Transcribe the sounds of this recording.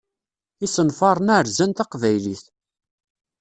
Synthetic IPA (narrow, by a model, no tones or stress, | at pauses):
isənfɑɾˤnaʕɾzænt̪ɑqvæjliθ